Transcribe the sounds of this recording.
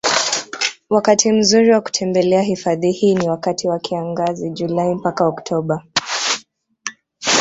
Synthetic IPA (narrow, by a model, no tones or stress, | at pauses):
wakatʰim̩zuɾiwaku̥tʰɛmbɛlɛaɦifaðihiːniwakatʰiwakʰiaŋɡaziʄulaim̩pakaɔktʰɔɓa